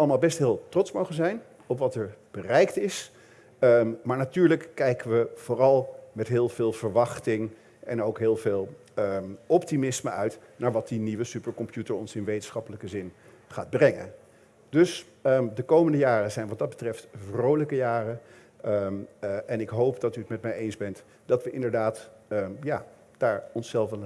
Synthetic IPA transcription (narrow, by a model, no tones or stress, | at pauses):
ɑlˠəmaːlˠbɛstɦeɪːlˠtrɔtsmowχənzɛjn | ɔpʋɑtɛɹb̥ərɛjktɪs | maːɹnatyːɹləkːɛjkəʋəv̥ʊːrɑlˠmɛtɦɪːlˠv̥ɪːlˠv̥əɹʋɑχtɪŋ | ʔɛ̰nowkɦɪːlˠvɪːlˠ | əɔptimɪsməʔœɥtnaːɹʋɑt̚diniʋəsypəɹkɔmpjutəɹɔ̰nsɪnʋejtənsχɑpələkəzɪn | χa̰ːd̚brɛŋə̰n | d̥ɵs | ədəkowməndəjaːrəzɛjnʋɑt̚dɑd̚bətrɛftvrowləkəjaːrə | ʔɛnɪkɦowpdɑtyətmɛtmɛjejnzbɛnt | d̥ɑtʋəʔɪ̰ndəɹdaːt | jaː | d̥aːɹɔnsɛlˠf